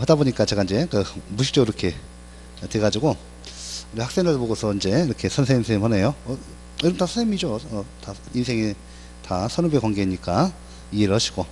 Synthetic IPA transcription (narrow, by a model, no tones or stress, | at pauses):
hadaboɲik͈at͡ɕe̞ɡaind͡ʑe̞kɯmuɕʰi̥k̚t͡ɕ͈ʌɡɯɾʌkʰe̞ | te̞ɡad͡ʑiɡo | iɾwaks͈eŋɯɭpoɡosʰʌind͡ʑe̞iɾʌkʰe̞sʰʌnsʰeŋinsʰemhane̞joʌ | jʌɾʌmntasʰusʰemid͡ʑoʌta | insʰeŋi | tasʰʌnubekwaŋɡeiɲik͈a | ieɾɯɭhaɕʰi̥ɡ̥o